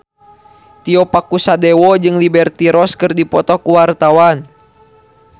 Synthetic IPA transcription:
t̪iɔpakusadɛwɔd͡ʒɨŋlibɛrt̪iɾɔskɨrdipɔt̪ɔkuwart̪awan

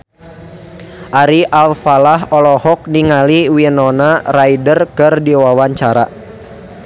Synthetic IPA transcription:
ʔaɾiʔalfalaɦɔlɔhɔk̚niŋaliwiənɔnaraidərkɨrdiwawaɲt͡ʃaɾa̰

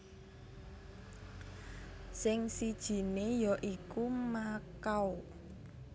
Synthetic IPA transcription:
sɪŋsid̥ʒ̥i̤nejɔʔikumakaw

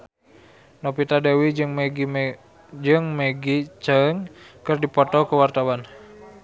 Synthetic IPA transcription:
nopit̪adewid͡ʒŋmɡ | d͡ʒɨŋməɡit͡ʃəŋkɨrdipɔt̪ɔkəwart̪awan

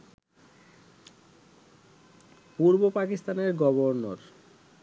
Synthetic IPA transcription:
puɾbopakist̪aneɾɡɔboɾnoɾ

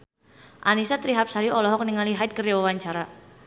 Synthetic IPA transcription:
ʔanisat̪ɾiɦap̚saɾiɔlɔɦɔk̚niŋaliɦaɪt̪̚kərawawaɲt͡ʃaɾa

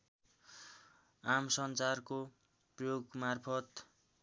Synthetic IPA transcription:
amsʌnt͡sarko | prʌjoɡmarpʰʌt̪

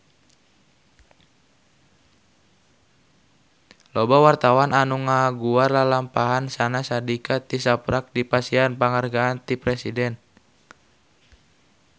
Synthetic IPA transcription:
lɔbawart̪awananuŋaɡuarlalampaɦansanasadikat̪isapɾak̚dipasianpaŋarɡaːnt̪ipɾɛsidɛn

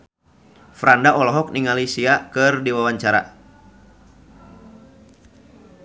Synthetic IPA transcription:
fɾandaʔɔlɔɦɔk̚niŋalisiakɨrdiwawaɲt͡ʃaɾa̰

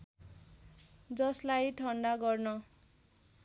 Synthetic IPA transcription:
d͡zʌslajʈʰʌɳɖaɡʌrnʌ

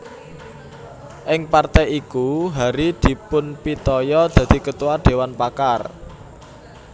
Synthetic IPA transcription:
ʔɪŋpart̪ɛikuɦaɾid̪̥i̤pʊnpit̪ɔjɔd̪̥ä̤d̪̥i̤kət̪uwaɖ̪̥e̤wanpakar

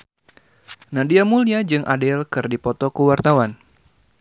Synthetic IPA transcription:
nadiamuliad͡ʒɨŋʔadɛlkɨrdipɔt̪ɔkuwart̪awan

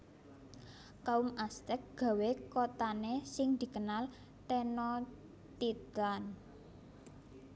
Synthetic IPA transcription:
kaumast̪ɛk̚ɡ̥ä̤wekot̪anesɪŋd̪̥i̤kənal | t̪enɔ | t̪it̪an

